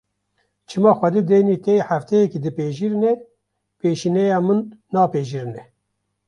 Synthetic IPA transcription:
t͡ʃʰɨmɑːxʷɛd̪ed̪eːniːt̪eħæft̪ʰɛjɛkid̪ɨpeːʒiɾnɛ | peːʃiːnɛjɑːmɨnːɑːpeːʒiɾɨnɛ

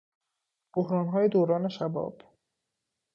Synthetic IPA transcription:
b̥ohɾɒːnɦɒːjed̪oːɾɒːne̞ʃæbɒ̰ːb̥

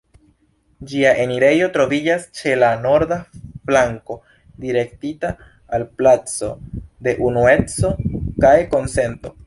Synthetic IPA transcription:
d͡ʒiaʔe̞niɾe̞jo̞tɾo̞vid͡ʒast͡ʃe̞lano̞ɾdaflaŋko̞ | diɾe̞ktitaː | lplat͡so̞̰de̞ʔunue̞t͡so̞kajko̞nse̞nto̞

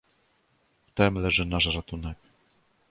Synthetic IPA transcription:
ft̪ɛmlɛʐɘnaʂɾat̪unɛk

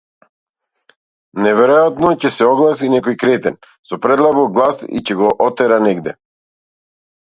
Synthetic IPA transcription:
nɛvɛɾɔjat̪nɔcɛsɛɔɡlˠasinɛkɔjkɾɛt̪ɛn | sɔpɾɛd̪lˠabɔɡlˠasḭcɛɡɔʔɔt̪ɛɾanɛɡd̪ɛ

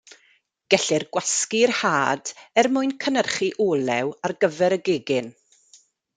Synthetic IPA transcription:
ɡ̥ɛɬɪrɡwaskirhaːdɛrmʊɨnkʰənərχiʔoːlɛwarɡəvɛɾəɡɪːɡɪn

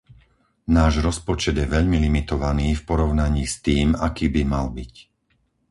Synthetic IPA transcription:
naːʒɾɔspɔt͡ʃɛd̪jɛʋɛʎmilimit̪ɔʋaniːfpɔɾɔʊnaɲiːst̪iːmakiːbimalbic

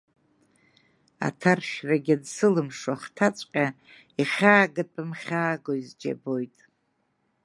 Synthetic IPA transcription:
a̰tʰarʃraɡʲadsɨlɨmʂaχtʰat͡sʷʼqʲʼa | iχʲaːɡɨpʼɨmχʲaːɡoizd͡ʒa̰bo̞jtʼ

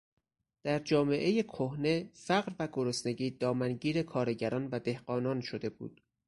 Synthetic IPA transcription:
d̪̥æɾd͡ʒɒːme̞ʔe̞je̞kʰohne̞fæɣɾvæɡo̞ɾosne̞ɟiːd̪ɒːmænɟiːɾe̞kʰɒːɾe̞ɟæɾɒːnvæd̪e̞hɢɒːnɒːnʃo̞d̪e̞bṵːd̪̥̚

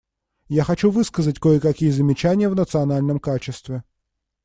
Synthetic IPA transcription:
jaxɐt͡ʃuʋɨskəzətʲkɔɪkɐkʲijzɐmʲɪt͡ʃanʲɪjəvnət̪sɨɐnalʲnəmkat͡ʃɪst̪vʲɪ

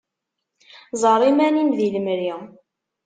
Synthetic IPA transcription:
zˤəɾˤimænimðiləmɾi

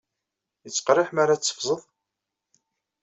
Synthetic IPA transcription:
jət͡sːqɾˤɪħmaɾat͡sːə̥fzˤəðˤ

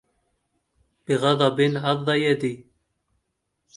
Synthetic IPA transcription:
b̥iɣɑðˤɑbinʕɑðˤːɑjad̪i

